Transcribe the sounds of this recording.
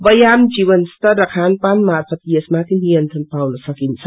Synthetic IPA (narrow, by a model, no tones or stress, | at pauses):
bʌjamd͡ʒiβʌnst̪ʰʌɾːʌkʰanpanmaɾpʰət̪ijesmak̪ʰinijʌnt̪ɾənpawnʌsʌkint͡sʰʌ